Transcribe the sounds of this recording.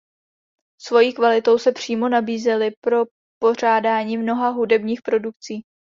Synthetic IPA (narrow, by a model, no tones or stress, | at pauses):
svo̞jiːkvalɪt̪o̞wsɛpr̝̥iːmo̞nabiːzɛlɪpɾo̞ | po̞r̝aːdaːɲiːmno̞ɦaɦudɛbɲiːxpɾo̞duk̚t͡siː